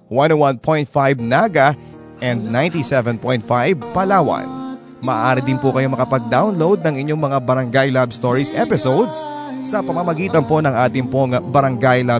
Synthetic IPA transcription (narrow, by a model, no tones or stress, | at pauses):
wanowanpʰo̞jnt̪̚fajb̚naɡɐ | ʔɛnd̪̚naj̃nt̪isɛvɛnpojnt̪̚fajb̚pɐlaːwɐ̰n | mɐʔːʔaːɾɪd̪ɪnpʊkɐjo̞mɐkɐpɐɡ̚d̪awnlowd̪̚nɐŋɪɲːo̞ŋmɐŋabɐɾɐŋɡajlabst̪oɹisʔɛpɪsowd̪s | sɐpɐmɐmɐɡiːt̪ɐnpo̞nɐŋʔaːt̪ɪŋpoŋbɐɾɐŋɡajla